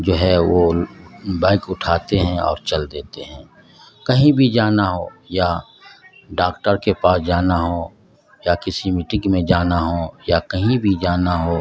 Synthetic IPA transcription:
d͡ʒoːɦɛʋo | baːɪkʊʈʰaːt̪eɦɛ̃ɔ̰ːɾt͡ʃɐld̪eːt̪eɦɛ̃ː | kɐɦĩbʱid͡ʒaːnaɦoːja | ɖaːkʈəɾkepaːsd͡ʒaːnaɦoː | jakɪsimiʈɪ̃ŋɡmẽd͡ʒaːnaɦoːjakɐɦĩbʱid͡ʒaːnaɦoː

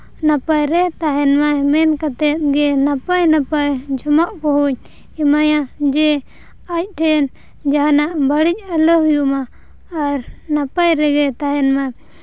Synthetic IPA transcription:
napajɾɛt̪aɦɛnmamɛnkat̪ɛt̪̚ˀɡɛnapajnapajd͡ʒɔmaʔkɔɦuɲ | imajad͡ʒɛ | ac̚ʈʰɛn | d͡ʒaɦanaʔbaɽic̚alɔɦjumaː | ɾnapajɾɛɡɛt̪aɦɛnma

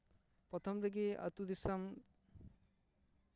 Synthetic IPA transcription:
pɾɔt̪ʰɔmɾeɡiɐ̰t̪ud̪isɐm

